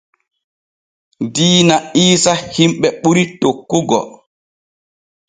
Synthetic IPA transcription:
diːnaiːsahimɓɛɓuɾitokːuɡɔ̰

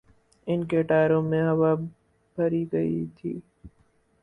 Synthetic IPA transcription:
ɪnkeʈaːɾõmẽɦɐʋaː | bʱəɾiːɡəḭt̪ʰḭː

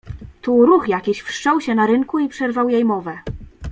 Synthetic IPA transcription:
t̪uɾuxjakʲiɕfʂt͡ʂɔwɕɛnaɾɘŋkuipʂɛɾvawjejmɔvɛ

